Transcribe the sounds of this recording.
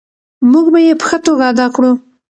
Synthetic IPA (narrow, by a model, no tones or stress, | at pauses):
muɡbajepə̥xət̪oɡaːd̪ɑkɽu